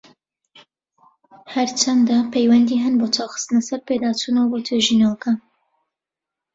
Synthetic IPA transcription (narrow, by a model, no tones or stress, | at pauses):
hɐɾt͡ʃʰɐnd̪apʰejwɛnd̪iːɦɨnboːt͡ʃʰawxɨ̥st̪ɨnɐsɐɾpeːd̪aːt͡ʃuːnɐwɐboːt̪ʰɨʒinalka